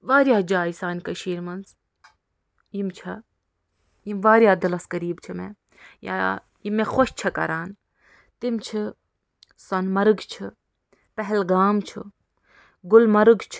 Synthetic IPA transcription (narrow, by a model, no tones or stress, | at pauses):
ʋaːɾʲjaːd͡ʒaːjsaːnʲkɐʃiːɾmɐnz | jimt͡ʃʰɐ | jimʋaːɾjaːd̪ɐlɐskɐɾiːbt͡ʃʰimḛ | ja̰ː | jimexoʃt͡ʃʰɐkɐ̰ɾaːn | t̪imt͡ʃʰi | sɐnmɐɾɨɡt͡ʃʰi | pɛɦɛlɡaːmt͡ʃʰu | ɡʊlmɐɾɨɡt͡ʃʰ